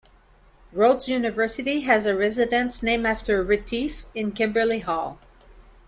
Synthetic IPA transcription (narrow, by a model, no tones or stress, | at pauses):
ɹoʊdzjʉnɨvɜ˞sɨɾiɨzɨɹɛzɨɾɨ̃nsnẽɪ̃mæftə˞ɹɨtʰifɨ̃nkʰɛ̃mbə˞lˠihɔlˠ